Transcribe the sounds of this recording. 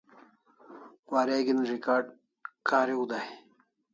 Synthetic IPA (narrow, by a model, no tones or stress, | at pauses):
waːɾeɡinɾikaːɖ̚ | kaːɾiud̪aj